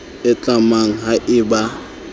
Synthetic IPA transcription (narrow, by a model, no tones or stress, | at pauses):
ɪt͡ɬʼamaŋ̩ɦaʔɪba